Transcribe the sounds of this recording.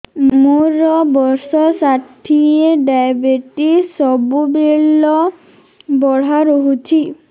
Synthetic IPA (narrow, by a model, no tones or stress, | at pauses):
muɾɔbɔɾsɔsaʈʰieɖajbeʈisɔbubeɭɔ | bɔɽ̤aɾoɦut͡ʃʰi